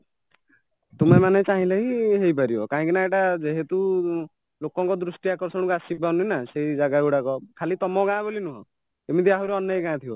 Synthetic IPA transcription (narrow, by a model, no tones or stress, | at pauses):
t̪umemanet͡ʃaɦĩlaɦiɦejpaɾibɔkaɦĩkinaeʈad͡ʒeɦet̪u | lokɔŋkɔd̪ɾusʈiakɔɾsɔɽ̃kasibaninaseɦid͡ʒaɡaeuɽakɔkʰalit̪ɔmɔɡãbolinuɦɔ̰̃ | emit̪iaɦuɾeɔnjɔiɡãt̪ʰio